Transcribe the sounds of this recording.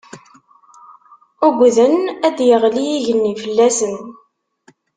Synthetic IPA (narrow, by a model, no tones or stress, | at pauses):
uɡʷðənæd̪jəʁlijiʝənːifəlːæsən